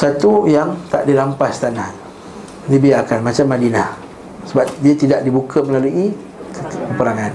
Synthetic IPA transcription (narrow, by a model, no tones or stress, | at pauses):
sat̪ujaŋt̪a̰ʔdilampast̪anah | dibiarkanmat͡ʃamːadinah | səbap̚diat̪idaʔ̚dibukʰəməlaluʔi | kəpəpəɾaŋan